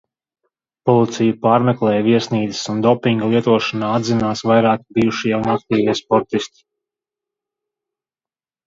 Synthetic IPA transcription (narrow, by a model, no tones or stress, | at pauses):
pɔlˠit̪sijupaːɾmɛklˠɛːjviɛsniːd̪zi̥sund̪ɔpiŋɡalˠiɛt̪uɔʃanaːad̪zinaːsʋajɾaːkbijuʃijɛwunak̚t̪iːviɛspɔɾt̪ist̪i̥